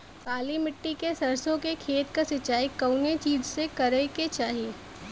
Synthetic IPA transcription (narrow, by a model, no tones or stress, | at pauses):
kaːlimɪʈːikesɐɾsõkekʰeːt̪kasɪt͡ʃːaːikɐʊnet͡ʃiːd͡ʒsekɐɾəket͡ʃaːɦieː